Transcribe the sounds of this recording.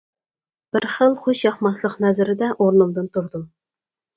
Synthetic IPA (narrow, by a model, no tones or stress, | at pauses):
b̥ɪɾχəlˠχʊʃjɑχmɑslˠəqnæzɪɾɪd̪ɛʔoɾnulˠd̪ɨnt̪ʰʊɾd̪u